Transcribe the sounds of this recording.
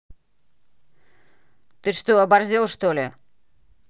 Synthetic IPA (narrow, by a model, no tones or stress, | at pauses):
t̪ɨʂt̪oɐbɐrzʲelˠʂt̪olʲɪ